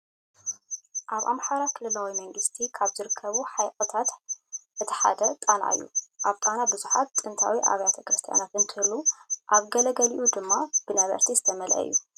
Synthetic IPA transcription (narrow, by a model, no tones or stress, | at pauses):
ʔaβʔamħaɾakʰɨlɨlawimɐŋɡɨst̪ʰikʰaβzɨɾɨkʰːɐβuħajqʼɨt̪ʰat̪ɨt̪ʰi̥ħa̰d̪ɐt̪ʼana̰ɨ̰jːṵʔaβt̪ʼanabɨzuħat̪ːʼɨnt̪ʰa̰wiʔa̰βjat̪ʰɐkɾɨst̪ʰija̰nat̪ɨnt̪ʰɨhɨluʔaβɡɐlɐɡɐliʔud̪ɨmːab̥ɨnajβɐ̰ɾt̪ʰizɨt̪ʰɐmɐlʔɐ̰ɨ̰jːu